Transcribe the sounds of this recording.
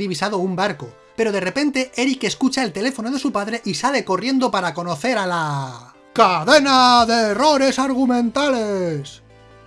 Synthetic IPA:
iβisað̞o̞umbaɾko̞ | pe̞ɾo̞ð̞e̞re̞pe̞nt̪e̞e̞ɾike̞skut͡ʃaelt̪e̞le̞fo̞no̞ðe̞supaðɾe̞ʔisale̞ko̞rje̞nd̪o̞paɾako̞no̞θe̞ɾala | kaðe̞naðeːro̞ɾe̞saɾɣ̞umẽ̞nt̪ale̞s

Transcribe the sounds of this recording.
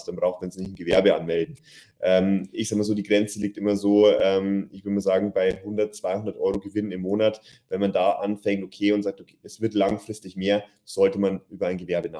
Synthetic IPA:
std̥anbʁaʊxt̚manzinɪçtn̩ɡəvɛɐbəa̰nmɛldn̩ | ʔɛːmʔɪçsaːɡ̚mazoːdiːɡʁɛnt͡səliːktʔɪmɐzoːʔɛːmɪçv̥ʏdəmaːzaːɡŋ̩baɪhʊndɐtt͡sv̥aɪhʊndɐtʔɔʏʁoɡəvɪnənɪmːoːnat | vɛnmandaːʔanfɛŋtʔokʰeːʊntz̥aːk̚tokʰːɛsv̥ɪɐtlaŋfʁ̥ɪstɪçmeːɐ | z̥ɔltəmanʔyːbɐaɪnɡəvɛɐbəna

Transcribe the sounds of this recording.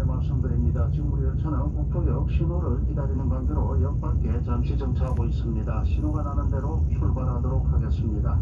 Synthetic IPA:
mans͈ɯmdɯɾimɲidat͡ɕiŋmuɾiɯɭt͡ɕʰʌnankuk̚tʰojʌk̚ɕ͈ʰimoɾɯɭɡidaɾinɯnɡanɡɯɾoʌʎjʌk̚p͈at̚k͈et͡ɕamt͡ɕʰid͡ʑʌŋt͡ɕʰabois͈ɯmɲidaɕʰinoɡananɯnde̞ɾoɕʰuɭbaɾɦadoɾok̚haɡes͈ɯmɲida

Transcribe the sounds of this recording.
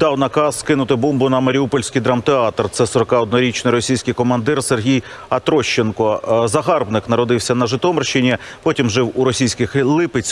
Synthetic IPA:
d̪ɑwnɐkɑsːkɪnʊt̪ɪbɔmbʊnɐmɐɾʲiupɔlʲsʲkɪjd̪ɾɑmt̪eɑt̪rt̪sɛsɔɾɔkɑɔd̪nɔɾʲit͡ʃnɪjɾɔsʲijsʲkɪjkɔmɐnd̪ɪrserɦʲij | ɐt̪ɾɔʃt͡ʃːenkɔzɐɦɑrbnɪknɐɾɔd̪ɪwsʲɐnɐʒɪt̪ɔmɪrʃɪnʲipɔtʲimʒɪwuɾɔsʲijsʲkɪxlˠɪpɪt͡sʲ

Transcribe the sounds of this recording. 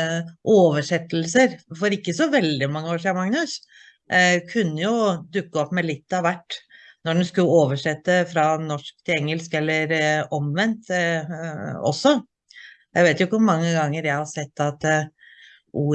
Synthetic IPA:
ʔoːʋəʂɛt̪ːl̩səɾfɔɾɪkːəsɔʋɛld̪ɪmɑŋːəoːʂ̬ɪːɑmɑŋnʉs | kʰʉnːəjʊd̪ʉkːəɔpːmɛlɪt̪ːɑʋæʈː | nɔɖɛnskʉlːəoːʋəʂɛt̪ːəfɾɑnɔʂk̚t̪ʰɪlɛŋːəlskɛlːəɾɔmʋɛnt̪ | ɔ̰sːɔ | jæɪʋeːt̪jʊɪkːʊmɑŋːəɡɑŋːəɾjæɪhɑsɛt̪ːɑt̪ | ʔuː

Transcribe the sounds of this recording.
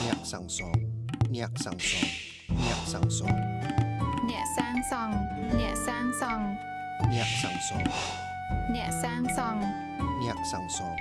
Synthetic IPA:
nɛəʔsaŋsɔnɛəʔsaŋsɔŋ | nɛəʔsaŋsɔŋ | nɛəʔsaːŋsɑŋnɛəʔsaːŋsɑŋ | nɛəʔ̚saŋsɔŋ | nɛ̆əʔsaːŋsɑŋ | nɛəʔsaŋsɔŋ

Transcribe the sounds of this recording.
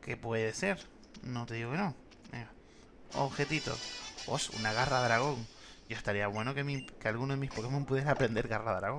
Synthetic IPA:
ke̞pwe̞ðese̞ɾ | no̞t̪e̞ðiɣo̞keno | ḛŋa | o̰βxe̞t̪it̪o̞̰osṵnaɣaraðɾaɣ̞o̞ŋ | ɟ͡ʝoest̪aɾiaβwe̞nokemikealɣunoðemispokemompuðjeɾaːpɾe̞nd̪e̞ɾɣaraðɾaɣo

